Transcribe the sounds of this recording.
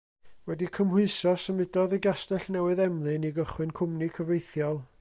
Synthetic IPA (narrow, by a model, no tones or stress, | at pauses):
wɛdikʰəmhʊɨsɔsəmɨdɔðəɡastɛɬnɛwɨðɛmlˠɨniɡəχwɨnkʰʊmnikʰəvejθjɔlˠ